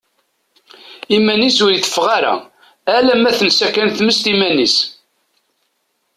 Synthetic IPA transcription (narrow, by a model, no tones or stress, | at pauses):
imænisʊɾiθə̥fːʁaɾæ̰ | ælæmæθənsækænθməst̪imænis